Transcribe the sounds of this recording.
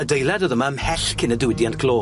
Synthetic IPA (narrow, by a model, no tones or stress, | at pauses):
ədejlˠɛdəðəmamhɛɬkʰɪnədɪwɪdjantkʰloː